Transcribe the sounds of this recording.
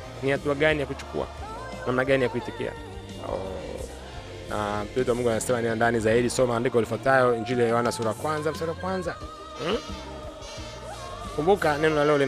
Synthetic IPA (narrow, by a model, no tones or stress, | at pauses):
nihatuaɠanijakut͡ʃu̥kṵa̰ | namnaɠanijakuhitikḭa̰ | ɔ̰ | na̰m̩twɛtuwamuŋɡwanasɛmaniandanizaiɗisɔmaːndikaulifwatajɔiɲd͡ʒilijajɛwanasuɾajakwanzamsuɾaakwanza | kumbukanɛnɔlalɛɔli